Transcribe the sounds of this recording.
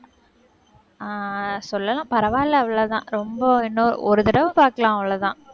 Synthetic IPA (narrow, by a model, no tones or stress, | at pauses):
asɔlːɐlãːpɐɾɐʋaːllɐɐʋɪlɐt̪ã̰ːɾɔmbɐɪnːo̰ɔɾɯt̪ɪɽɐʋɯpaːɾkɐlãːɐʋɪɭɐt̪ãː